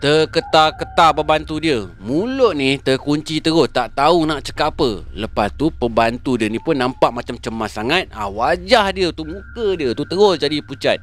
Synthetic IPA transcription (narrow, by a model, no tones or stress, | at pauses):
t̪əkət̪akət̪abəbant̪udiəmulʊʔniht̪əkuɲt͡ʃit̪əɣʊst̪aʔt̪aunaʔt͡ʃəkapələpast̪upəbant̪udiənipʊnːãmpaʔmat͡ʃamt͡ʃəmːasaŋat̪̚a̰wad͡ʒahdiət̪umũkədiət̪ut̪əɣʊsd͡ʒadiput͡ʃa̰t̪̚